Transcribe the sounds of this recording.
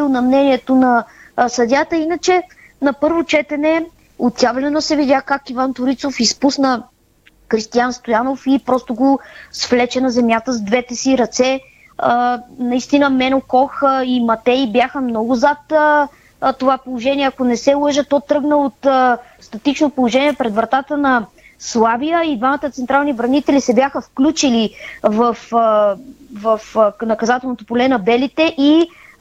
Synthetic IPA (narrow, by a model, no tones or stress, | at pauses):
inɐmnɛniɛt̪onɐsɐd̪ʲat̪əinət͡ʃɛ | nɐpɤɾvot͡ʃɛt̪ɛnɛ | ot̪javlɛnosɛvid̪ʲjakakivant̪ʊɾit̪sofispusnə | kɾist̪ijanst̪ojanofipɾɔst̪oɡosflɛt͡ʃɛnɐzɛmjat̪əzd̪vɛt̪ɛsiɾɐt̪sɛ | ənɐist̪inəmɛnokɔximɐt̪ɛibjaxəmnɔɡʊzət̪ | t̪ːovapolˠoʒɛniɛɐkonɛsɛlˠɤʒət̪ɔt̪ɾɤɡnəot̪əst̪ɐt̪it͡ʃnopolˠoʒɛniɛpɾɛd̪vɾɐt̪at̪ənɐ | slˠavijəid̪vamət̪ət̪sɛnt̪ɾalˠnivɾɐnit̪ɛlisɛbjaxəfklʲut͡ʃilivəf | vɐfnɐkɐzat̪ɛlˠnot̪opolɛnɐbɛlit̪ɛʔi